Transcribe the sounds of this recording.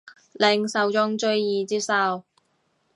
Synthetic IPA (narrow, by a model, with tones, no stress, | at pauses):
lɪ˧ŋsɐ˨˧wt͡sʊ˥ŋt͡ʃɵ˥ɥjiː˨t͡siː˥sɐ˧w